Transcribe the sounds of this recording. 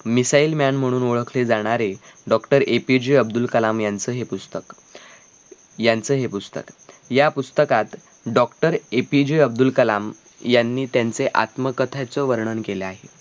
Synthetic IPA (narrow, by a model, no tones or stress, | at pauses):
misaiːlmjanm̤əɽ̃uːnoɭəkʰled͡zaɽ̃aɾeɖɔkʈəɾepid͡ʑijəb̚d̪ulkəlamjant͡səːɦepust̪ək | jant͡səːɦepust̪ə̰kjapust̪əkat̪ | ɖɔkʈəɾepid͡ʑijəb̚d̪ulkəlam | janːiːt̪jant͡seʔa̰t̪məkət̪ʰat͡səːʋəɾɳənkeleaɦe